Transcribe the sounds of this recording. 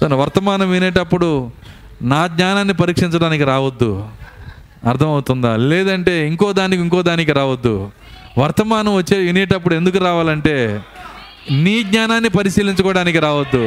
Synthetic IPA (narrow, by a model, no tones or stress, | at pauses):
soːnɐʋɐɾt̪ɐmaːnɐmʋineːʈɐpːuɽu | naːɡɲaːnaːnːipɐɾiːkʂiɲt͡ʃɐɽaːnikiɾaːʋɐd̪ːu | ɐɾt̪ʰɐmɐwut̪und̪alɛːd̪ɐɳʈe̞ːiŋkɔːd̪aːnikiŋkɔːd̪aːnikiɾaːʋɐd̪ːu | ʋɐɾt̪ɐmaːnɐmʋɐt͡ʃːeːʋinɛːʈɐp̬ːuɽue̞nd̪uk̬uɾaːʋaːlɐɳʈe̞ː | niːɡɲaːnaːnːipɐɾisiːliɲt͡ʃɐkɔːɐɽaːnikiɾaːʋɐd̪ːu